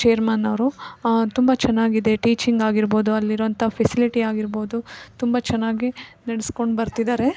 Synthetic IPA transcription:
t͡ʃejɐɾmaːnɐʋɾut̪umbɐt͡ʃɛnːaːɡid̪e̞ʈiːt͡ʃiŋɡaːɡiɾbo̞ːd̪uɐlːiɾʋɐnt̪ʰɐpʰesiliʈiaːɡiɾbo̞ːd̪ut̪umbɐt͡ʃɛnːaːɡinɐɽesko̞ɳɖbɐɾt̪id̪aːɾe

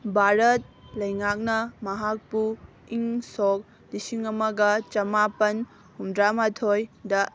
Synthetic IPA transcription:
bʱaɾɐt̚lɐjŋak̚nɐmɐɦak̚pu | iŋsok̚ | disiŋɐmɐɡɐt͡ʃɐmapɐn | humdɾamatʰojdɐ

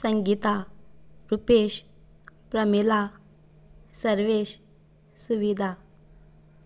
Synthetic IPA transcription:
səŋɡit̪a | ɾupeɕ | pɾəmila | səɾʋeɕ | suʋid̪ʱa

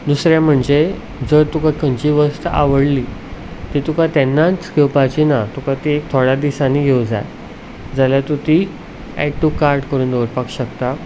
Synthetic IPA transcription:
d̪usɾjam̤əɳd͡ze | d͡zəɾt̪ukakʰəɲt͡ɕiʋəst̪əaʋəɽlit̪it̪ukat̪ɛnːat͡skewpat͡ɕinat̪ukat̪iek̚t̪ʰoɽad̪isãniɡʱewd͡za̰j | d͡zaljat̪ut̪i | ɛ̰ʈːukaɾɖkəɾuːnd̪əʋəʈpakɕək̚t̪a

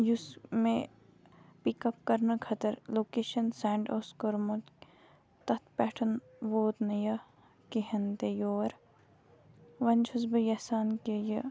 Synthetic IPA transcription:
jusmẽ | pikɐp̚kɐɾnɐkʰɐt̪ɐɾloːkeːʃɐnsɛːɳɖoːskoɾmot̪ | t̪ɐt̪ʰpɛːʈʰɐn | ʋoːt̪nɐjɐ | keɦɐnt̪ejoːɾ | ʋɐnt͡ʃʰusbɐjɐsaːnkejɐ

